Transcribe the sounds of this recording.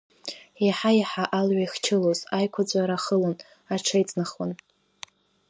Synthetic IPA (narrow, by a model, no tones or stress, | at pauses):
iħajħaʔalɥajχt͡ʃʰɪlozajkʷʰad͡zʷʼaɾaχəlon | aʈ͡ʂʰajt͡sʼnaχwan